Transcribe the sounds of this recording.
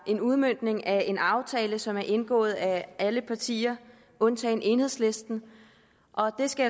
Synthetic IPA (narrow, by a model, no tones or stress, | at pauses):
ʔe̝nuð̞ˠmøn̰d̥ne̝ŋʔæe̝nɑ̈ʊt͡sʰɛːləsɒ̽mæɐʔe̝nɡ̥ɔ̰̽ːð̞̩ˠæʔæləpʰɑ̈t͡sʰḭːɐ | ʔɔ̽nt͡sʰɛːnʔe̝ːnhe̝ð̞̰ˠsle̝sd̥n̩ | ʔɒ̽d̥e̝sɡ̥æ